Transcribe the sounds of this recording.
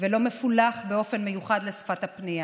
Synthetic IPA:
velo̞mefulaχbeo̞fe̞nmejuχad̪lesfat̪hapnia

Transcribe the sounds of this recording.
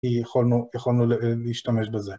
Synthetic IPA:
ijeχolnujaχolnulleiʃtameʃbeze

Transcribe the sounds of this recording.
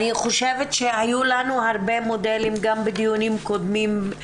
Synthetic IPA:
niχoʃevet̪ʃehajulanuhaʁbemod̪elimɡambed̪ijonimko̞d̪mim

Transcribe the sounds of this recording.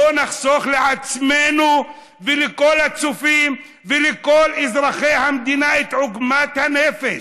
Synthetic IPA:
onaxsoːxlɪʕasmeːnu | vɪlɪkoːlasufiːm | vɪlɪkoːlʔɪzɾˤɑxeːhamd̪iːnaʔɪt̪ʕʊɡmaːt̪haneːfɪ

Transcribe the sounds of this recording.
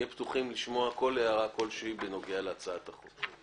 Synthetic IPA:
ɛpt̪uχimliʃmo̞ako̞leaʁako̞lʃeibeno̞ɡealeat͡saat̪aχot͡s

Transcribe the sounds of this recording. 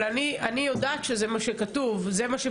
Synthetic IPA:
anianijo̞daːt̪ʃezemaʃekatuvzemaʃe

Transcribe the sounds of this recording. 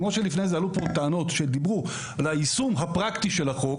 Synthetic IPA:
moʃelifne̞jzealupoteano̞tʃed̪ibʁu | laisumɦapʁaktiʃelhaχo̞

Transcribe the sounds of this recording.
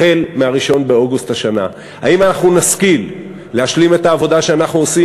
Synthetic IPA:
e̞lmeaʁiʃo̞nbeo̞ɡusthaʃana̰ | a̰imanaχnunaskilː | eaʃlime̞taːvo̞daʃeanaχnuosi

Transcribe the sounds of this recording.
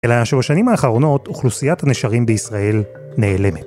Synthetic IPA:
elajaʃebaʃanimhaːχaʁo̞no̞tuχlusijathaneʃaʁimbeisʁae̞l | ne̞ːle̞met

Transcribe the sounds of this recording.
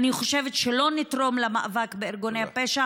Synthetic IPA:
niχo̞ʃe̞vetʃelo̞nitʁo̞mlamaavakbeːɾɡonejhapeʃa

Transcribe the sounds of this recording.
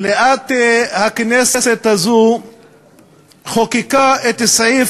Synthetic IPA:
leʔat̪hakneseset̪hazu | χokikaet̪si

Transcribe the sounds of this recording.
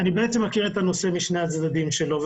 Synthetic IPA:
anibeet͡semːakiʁet̪ano̞se̞miʃnejat͡sd̪ad̪imʃelo̞v

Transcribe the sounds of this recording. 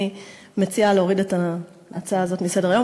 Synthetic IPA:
i | met͡sialeoʁideta | ʔat͡saaːzo̞tmise̞deʁajo̞

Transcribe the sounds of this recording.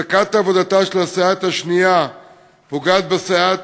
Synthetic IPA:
akat̪aːvo̞d̪at̪aʃelasaat̪haʃnija | poɡat̪̚besaa

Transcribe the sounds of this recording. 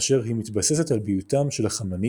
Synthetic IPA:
ʃe̞ʁɦimit̪base̞set̪albiutamʃe̞lhaχamani

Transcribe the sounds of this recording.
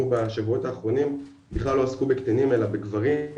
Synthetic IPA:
ubaʃavuo̞taːχʁo̞nim | biχlalːo̞askubekt̪enime̞labeɡvaʁi

